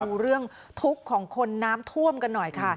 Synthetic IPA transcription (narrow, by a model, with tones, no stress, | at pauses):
ɾɯ˥˩əŋ | t̪ʰu˦˥kʰːɔː˩˦ŋkʰo˧nːaː˦˥mt̪ʰu˥˩əmka˧nːɔ˨˩jkʰa˥˩